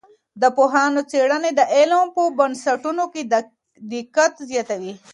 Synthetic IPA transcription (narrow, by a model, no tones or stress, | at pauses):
d̪əpoɦɑːnot͡seɽəned̪əʔelãnpobɐnsaʈunoke | d̪ikat̪zjɑːt̪awi